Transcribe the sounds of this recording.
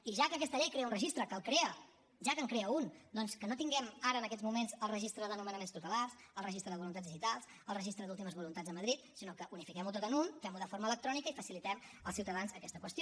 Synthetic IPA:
iʒakəkɛst̪əʎɛjkɾeəunrəʒist̪ɾəkəlˠkɾeə | ʒakəŋkɾeəund̪ɔnskənot̪iŋɡɛmaɾəːnəkɛd͡zzmumenzəlˠrəʒist̪ɾəðənumənəmenst̪ut̪əlars | əlˠrəʒist̪ɾəðəβulunt̪add͡zðiʒit̪alˠs | əlˠrəʒist̪ɾəðulˠt̪̬iməzβulunt̪azðəməðɾit̪̚sinokəʔunifikɛmut̪ot̪ənunfɛmuðəfoɾmələk̚t̪ɾɔnikəifəsilit̪ɛməlˠsiwt̪əðanzəkɛst̪əkwəst̪ijo

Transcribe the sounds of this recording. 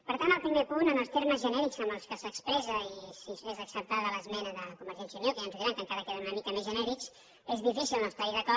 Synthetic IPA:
pəɾt̪anəlˠpɾimepunənəlˠst̪eɾməzʒənɛɾikzəməlˠskəsəkspɾɛzəisisezəksəp̚t̪aðələzmɛnəðəkumbəɾʒɛnsiəniokəjanzuðiɾaŋkəŋkaɾəkeðəmunəmikəmezʒənɛɾiks | ezðifisilˠnəlst̪aiðəkɔ

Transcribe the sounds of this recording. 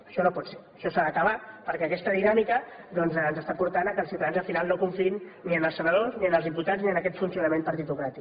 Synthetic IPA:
əʃɔnopɔt̪se | ʃɔsaðəkəβapəɾkɛəkɛst̪əðinamikə | ðɔnzːnzəst̪apuɾt̪anəkəlˠsiwt̪aðanzəlfinalˠnokuɱfinniənəlˠsənəðozniənəlˠzimput̪ad͡zzniənəkɛt̪funsiunəmempəɾt̪it̪ukɾat̪ik

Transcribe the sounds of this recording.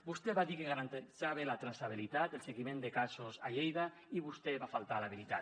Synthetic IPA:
bust̪eβaðikeɣaɾant̪esaβelat̪ɾasaβ̞ilit̪at̪elˠseɣimẽnd̪ekasosaʎejða | iβust̪eβafalˠt̪alaβ̞ilit̪at̪

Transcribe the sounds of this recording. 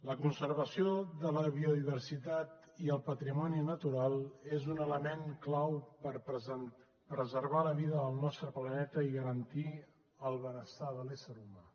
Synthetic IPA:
ləkunsəɾβəsioðələβiuðiβ̞əɾsit̪at̪ | iəlˠpət̪ɾimɔninət̪uɾalˠezunələmeŋklawpəɾpn | pɾəzərβaləβiðəðəlˠnɔst̪ɾəplənɛt̪əiɣəɾənt̪i | əlˠβənəst̪aðəlɛsəɾuma

